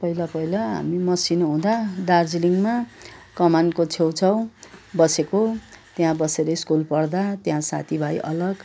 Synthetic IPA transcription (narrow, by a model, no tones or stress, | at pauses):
pʌɦilapʌilaɦa̰mimʌsinɦũd̪ad̪ard͡ziliŋmakʌmankot͡sʰewt͡sʰʌw̃bʌsekot̪jãbʌseɾʌskulpʌrd̪at̪jãsa̰t̪ʰibʱajʔʌlʌɡ